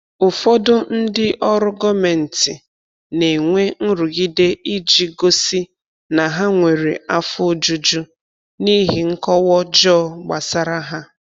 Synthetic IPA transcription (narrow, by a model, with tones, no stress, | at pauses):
ʊ˨fɔ˦dʊ˦n̩˦dɪ˦ʔɔ˦ɾʊ˦ɡɔ˦me˨n̩˨tɪ˨ | ne˨ŋʷe˦n̩˦ɾu˨ɡi˦de˦i˦d͡ʒi˦ɡo˦si˦ | na˨ɦa˦ŋʷe˨ɾi˨a˦fʊ˦d͡ʒu˦d͡ʒu˦ | ni˦ɦi˨ŋ̩˦kɔ˦wɔ˦d͡ʒɔː˦˨ɡ͡ba˨sa˦ɾa˦ɦa˦